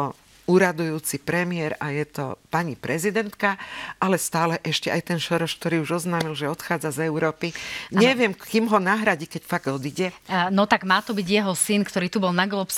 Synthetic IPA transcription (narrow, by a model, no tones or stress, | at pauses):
ɔ | uːɾad̪ujuːt͡sipɾɛmiɪɛɾajɛt̪ɔ̰paɲipɾɛzid̪ɛnt̪kaʔalɛst̪aːlɛʔɛʃcɛajt̪ɛnʃɔɾɔʃk̚t̪ɔɾiːuʒɔznaːmilʒɛɔt̪xaːd͡zazɛʊɾɔːpiɲɛʋɪɛmkiːmɦɔnaɦɾaɟikɛcfaɡ̪ɔd̪iɟɛnɔt̪aɡmaːt̪ɔbiɟjɛɦɔsinkt̪ɔɾiːt̪ubɔlˠnaɡlɔps